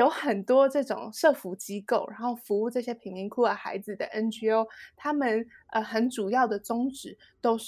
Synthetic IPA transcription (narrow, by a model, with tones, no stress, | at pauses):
jo˧˥ʊxə˨˩nt̪wɔ˥ʈ͡ʂɤ˥˩ʈ͡ʂʊ̰˨˩ŋʂɤ˥˩fu˧˥t͡ɕi˥ko˥˩ʊɻʔa˧˥nxo˥˩ʊfu˧˥u˥˧ʈ͡ʂɤ˥˩ɕjɛ˥pʰi˧˥ni˧˥ŋkʰu˥˩ə˧˩xa̰˧˥ɪd͡zɹ̩˨d̪ə̰˩ʔə˥nt͡ɕy˥o˧˥ʊt̪ʰa˥mə˨nə˧xə˧˥nʈ͡ʂu˨˩jɑ˥˩ʊd̪ə˩t͡sʊ˥ŋʈ͡ʂɻ̩˨˥˦ | t̪o˥ʊʂ